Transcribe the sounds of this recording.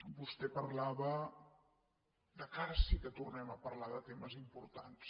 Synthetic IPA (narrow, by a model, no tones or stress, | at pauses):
bust̪ɛpəɾlaβə | d̪əkaɾəsikət̪urnɛməpəɾlaðət̪eməzimpuɾt̪a̰ns